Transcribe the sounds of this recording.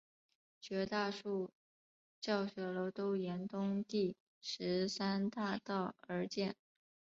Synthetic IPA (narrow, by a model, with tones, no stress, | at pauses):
t͡ɕɥɛ˧˥t̪a˥˧ʂu˥˩ | t͡ɕjɑ˥˩ʊɕɥɛ˧˥lo˧˥t̪o˥ʊjɛ˧˥nt̪ʊ˥ŋt̪i˥˩ | ʂɻ̩˧˥sa˥nt̪a˥˧t̪ɑ˥˩ʊə˞˧˥t͡ɕjɛ˥˩n